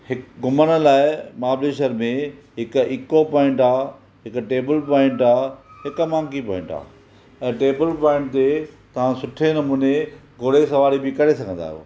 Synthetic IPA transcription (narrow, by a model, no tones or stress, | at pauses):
hɪkɡʊmənə̆laːɪmaːbleːʃəɾmẽɦɪkɪkopɔ̃ːɪ̃ɳʈaː | ɦɪkʈeːbəlpɔ̃ːɪ̃ɳʈaːɦɪkmãːŋkipɔ̃ːɪ̃ɳʈa̰ː | ɛ̃ːʈeːbəlpɔ̃ːɪ̃ɳʈ̚t̪et̪ɐʋ̤ãsʊʈʰenɐmuːneɡʱoːɽesɐʋaːɾibɪkɐɾesɐɡʱə̃nd̪a̰ːɦjo̰ː